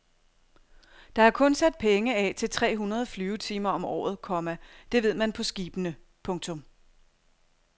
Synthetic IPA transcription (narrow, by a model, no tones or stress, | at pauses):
d̥ɑ̈æɐkʰɔ̽nsæd̥̚pʰeŋəɛt͡sʰe̝lt͡sʰʁɛ̰ːɦunɐð̞̩ˠflyːʊət͡sʰiːmɐɒ̽mɒ̰ːð̞̩ˠkʰɒ̽mæd̥e̝ʋe̝ð̰ˠmænpʰɒ̽sɡ̥iːb̥ənə | pʰɔ̽ŋt͡sʰɔ̽m